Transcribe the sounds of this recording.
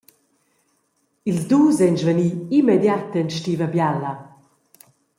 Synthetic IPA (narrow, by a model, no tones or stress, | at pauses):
ilzduːzɛnzvəniːimɛd̪jat̪ənʃtiːvəbjalːa